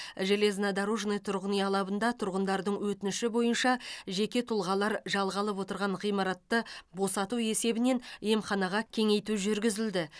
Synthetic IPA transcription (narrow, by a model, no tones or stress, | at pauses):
ʒele̞znɑd̪ɑɾoʒnəjt̪ʰʊɾʁənijɑlˠɑbənd̪ɑt̪ʰʊɾʁənd̪ɑɾd̪əɴwɵt̪ɪnɪʃɪbo̞jənʃɑʒe̞kʲe̞t̪ʰʊlˠʁɑlˠɑɾʒɑlˠʁɑlˠəp̬wo̞t̪əɾʁɑɴʁijmɑɾɑt̪ːəbo̞sɑt̪ue̞se̞bɪne̞nje̞mχɑnɑʁɑkʲʰe̞ŋe̞jt̪uʒʏɾɡʲɪzɪld̪ɪ